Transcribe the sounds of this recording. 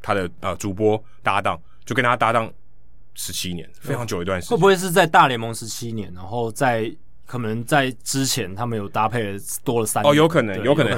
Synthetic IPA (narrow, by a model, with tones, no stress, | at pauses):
t̪ʰa˦d̪ə˨ə˨˩ʈ͡ʂu˨˥p̬wɔ˦˥ | t̪a˥˧t̪ɑ˥˨ŋ | t͡ɕjkə˦nʰa˥t̪a˥˧t̪ɑ˥˩ŋ | ʂɻ̩˧˦t͡ɕʰi˦˥njɛ˧˦nfe˥ɑ˧˦ŋt͡ɕjo˨˩ʊi˧t̪wa˥˧nʂwe˥˩pu˧we˥˧ɪʂ̬̩˥˧t͡sa˥˧ɪt̪a˥˩ljɛ˧˥nmo˧˥ŋʂɻ̩˧˦t͡ɕʰi˦˥njɛ̰˧˦nna˧˥nxo˥˨ʊt͡sa˥˩ɪ | kʰɤ˨˩nə˨˧˦ŋt͡sa˥˩ɪʈ͡ʂɻ̩˦t͡ɕʰjɛ˧˦nt̪ʰa˥mə˨njo˨˩ʊt̪a˥pʰe˥˩ɪ | t̪wɔ˥lə˨sa˥˦ɔ˨jo˨˧ʊkʰə˨˩nə˧˦ŋjo˧˦kʰə˨nə˨˦